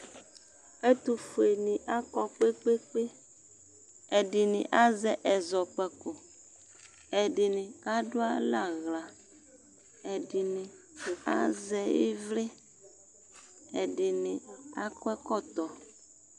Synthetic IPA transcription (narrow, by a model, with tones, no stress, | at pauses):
e˦t̪u˨fe˨nĩ˨ʔa˦kɔ˦k͡pe˦k͡pe˦k͡pe˦ | ɛ˨ɖi˨nĩ˨ʔa˦zɛ˨ʔɛ˨zɔ˨k͡pɛ˨ko˨ | ɛ˨ɖɪ˨nɪ̃˨ka˦ɖʊ˦a˦la˦ɣla˨ | ɛ˨ɖi˨nĩ˨ | a̰˦zɛ˨jḛ˦vle˦ | ɛ˨ɖɪ˨nɪ̃˨a˦kɛ˦kɔ˦t̪ɔ˨